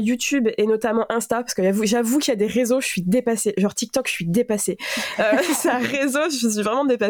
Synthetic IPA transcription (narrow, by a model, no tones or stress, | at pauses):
jut̪ybenɔt̪amɑ̃ʔɛ̃st̪apaʁskəavuʒavukʲiljad̪eʁezoʒəsɥid̪epaseʒɑ̃ʁt̪ik̚t̪ɔkʒəsɥid̪epaseøsãʁezoʒəs̬ɥivʁɛmɑ̃d̪epa